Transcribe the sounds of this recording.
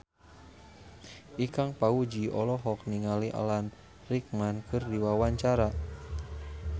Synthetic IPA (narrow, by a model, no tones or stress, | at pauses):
ʔikaŋpaud͡ʒiɔlɔɦɔk̚niŋaliʔa̰lan | rik̚mankɨrdiwawaɲt͡ʃaɾa